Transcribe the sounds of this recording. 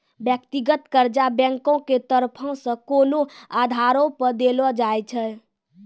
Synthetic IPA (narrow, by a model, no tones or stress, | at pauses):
bjək̚t̪iɡət̪kəɾd͡ʒabɛ̃ŋkõket̪əɾpʰɔ̃sə̃konoad̪ʱaɾõpəɾd̪elɔd͡ʒajt͡ʃʰə